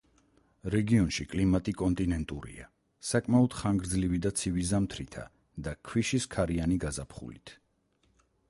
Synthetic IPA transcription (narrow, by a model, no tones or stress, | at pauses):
ɾɛɡiɔnʃikʼlimat̪ʼikʼɔnt̪ʼinɛnt̪ʼuɾḭa̰ | sakʼmaɔd̪̥χaŋɡɾd̪zlivid̪at̪sʰivizamt̪ʰɾit̪ʰa̰ | d̪akʰwiʃiskʰaɾianiɡazapʰχṵlit̪ʰ